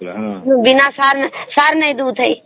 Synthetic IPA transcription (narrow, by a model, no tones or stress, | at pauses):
bɪnaːsaːɾnsaːɾnəĩd̪uːd̪əi